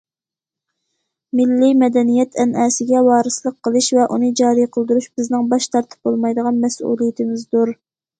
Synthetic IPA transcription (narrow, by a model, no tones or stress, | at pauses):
mɪlːimɛd̪ɛnijɛt̪ʰɛnɛːsɪɡʲɛwɑːɾɨslˠəq̚qʰːəlˠɨʃvɛʔunɨd͡ʒɑːɾijqʰəlˠd̪uɾuʃb̥ɪznɪŋbɑʃt̪ʰɑɾt̪ʰɨ̥p̚bolˠmɑjd̪əʁɑnmɛsṵlˠijɪt̪ʰɪmɪzd̪uɾ